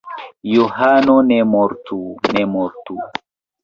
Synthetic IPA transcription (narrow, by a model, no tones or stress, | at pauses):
joɦanɔnɛmɔɾtunɛmɔɾtu